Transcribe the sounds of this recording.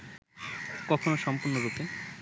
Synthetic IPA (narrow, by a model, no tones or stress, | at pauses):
kɔkʰonoʃɔmpuɾnoɾupe